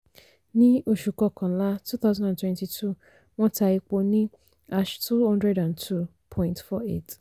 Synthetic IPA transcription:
nĩ˦o˨ʃu˨kɔ˨kʰɔ̃˨˦la˦tʰu˦θa˦ʊzã˦nã˨tʰwɛ̃˦nti˨tʰu˦˨ | wɔ̃˦tʰa˨e˨k͡po˨nĩ˦ | a˦ʃtʰu˦ɔ̃˦ndɾɛ˦dã˨ntʰu˦˨ | pʰɔ̃˦ĩ˦ntfɔ˦ḛ˦˨t

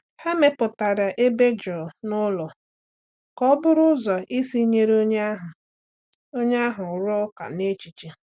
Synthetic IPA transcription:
ha˦me˦pʊ˨ta˨ɾa˨ʔe˦be˦d͡ʒɔ˨nʊ˦lɔ˨ | kɔ˦bʊ˦ɾʊ˦zɔ˨ʔi˦si˦ɲe˦ɾo˦ɲ˦ɦʊ˨ | o˦ɲe˦a˦ɦʊ˨ɾɔ˦ka̰˨ne˦t͡ʃi˨t͡ʃe˨

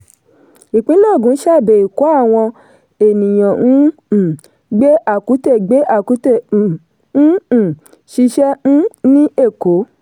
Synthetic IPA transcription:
i˨k͡pĩ˦lɔ˦˨ɡũ˨˦ʃa˦˨be˨i˨ko˨˦a˦˨w̃ɔ̃˧ | e˨nĩ˨j̃ɔ̃˨nũ˦˨ | ɡ͡be˦ʔa˦˨ku˨˦te˦˨ɡ͡be˨˦ʔa˦˨ku˨˦tẽ˦˨˦ | ʃi˧ʃɛ˦ñ̩˦nĩ˦ʔe˦˨ko˨˦

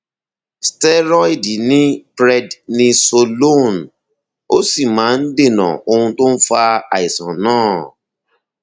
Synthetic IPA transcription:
stɛ˦ɾɔ˦i˦˨di˨nĩ˦pɾɛ˧dnĩ˧so˧lo˦˨n˨ | o˦si˦˨mãː˨˦n̩˦de˦˨nã̰˨o˧hũ˧to˦n̩˦fa˧a̰˨i˨sã̰˨nãː˦˨

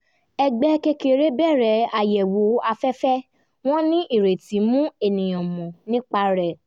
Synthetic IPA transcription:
ɛ˧ɡ͡bɛ˦ke˧ke˨ɾe˦bɛ˦˨ɾɛ˨˦a˨jɛ˨wo˨˦a˧fɛ˦fɛ˦ | w̃ɔ̃˦nĩ˦ʔi˦˨ɾe˨tĩ˨˦mũ˦e˦˨nĩ˨j̃ɔ̃˨mɔ̃˨nĩ˦k͡pa˦ɾɛ˨

